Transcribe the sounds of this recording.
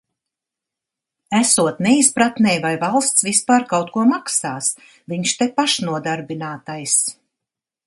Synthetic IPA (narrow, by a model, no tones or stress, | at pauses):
æsuɔt̪nɛispɾat̪nɛjvajvalˠst̪svispaːɾkawt̪̚kuɔmaksaːs | viɲʃt̪ɛpaʃnuɔd̪aɾbinaːt̪ajs